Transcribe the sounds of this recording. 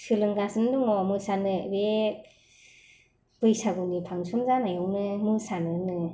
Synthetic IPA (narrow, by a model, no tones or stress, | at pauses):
sɯlɯŋɡasɯndɔŋɔamɯsanɯbe | b̥ɯjsaɡɯnipʰaŋsumzanajɔwnɯmɯsanɯnɯ